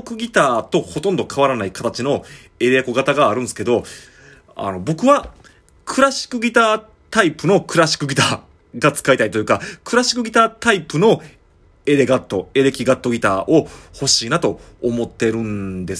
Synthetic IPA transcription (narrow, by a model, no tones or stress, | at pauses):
okɯ̟ɡʲit̪aːt̪o̞ho̞t̪õ̞nd̪o̞kʰaβaɾanaikat̪at͡ɕino̞ | e̞ɾe̞ko̞ɡat̪aɡaːɾɯ̟̃nsɨ̥ke̞d̪o̞ | a̰no̞bo̞kɯ̟βa | kʰɯ̟ɾaɕi̥kɯ̟ɡʲit̪aː | t̪aipɯ̟no̞kʰɯ̟ɾaɕi̥kɯ̟ɡʲit̪aː | ɡat͡sɨ̥kait̪aɾʲit̪o̞jɯkakɯ̟ɾaɕi̥kɯ̟ɡʲit̪aːt̪aipɯ̟no̞ | e̞ɾe̞ɡat̪ːo̞e̞ɾe̞kʲiɡat̪ːo̞ɡʲit̪aːʔo̞ho̞ɕiːnat̪o̞ːmo̞t̪ːe̞ɾɯ̟̃nd̪e̞s